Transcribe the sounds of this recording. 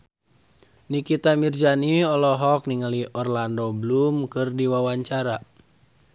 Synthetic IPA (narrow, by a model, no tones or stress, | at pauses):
nikit̪amird͡ʒaniɔlɔɦɔk̚niŋaliʔɔrlandɔblumkɨrdiwawaɲt͡ʃaɾa